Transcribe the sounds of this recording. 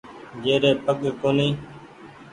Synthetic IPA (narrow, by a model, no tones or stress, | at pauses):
d͡ʒeːɾeːpəɠkoːniː